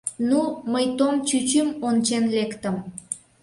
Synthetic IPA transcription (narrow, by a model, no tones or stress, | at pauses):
numəjt̪omt͡ɕyt͡ɕymont͡ɕenlekt̪əm